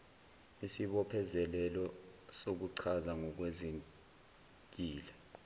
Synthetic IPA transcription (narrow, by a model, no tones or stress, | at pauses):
isiɓɔpʰɛzɛlɛlɔsok̬uǀʰazaŋɔk̬wezi | k̬ʼiːlɛ